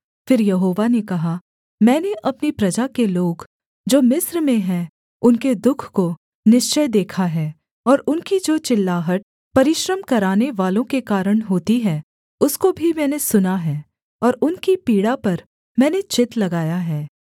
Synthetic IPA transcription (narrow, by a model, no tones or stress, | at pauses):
fɪɾjɐɦoːʋanekɐɦa | mɛ̃ːneʔɐpnipɾɐd͡ʒakeloːɡ | d͡ʒoːmɪsɾmẽɦɛ̃ | ʊnked̪ʊkʰko | nɪʃt͡ʃəjd̪eːkʰaɦɛː | ɔːɾʊnkid͡ʒoːt͡ʃɪlːaːɦəʈ̚ | pɐɾɪʃɾəmkɐɾaːneʋaːlõkekaːɾəɽ̃ɦoːt̪iɦɛ̃ | ʊskobʱimɛ̃ːnesʊnaɦɛː | ɔːɾʊnkipiːɽapɐɾ | mɛ̃ːnet͡ʃɪt̪lɐɡaːjaɦɛː